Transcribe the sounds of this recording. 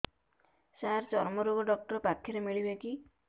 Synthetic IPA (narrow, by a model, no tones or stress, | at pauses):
saɾt͡ʃɔɾmɔɾuɡɔɖɔk̚ʈɔɾpakʰjɔɾemiɭibeki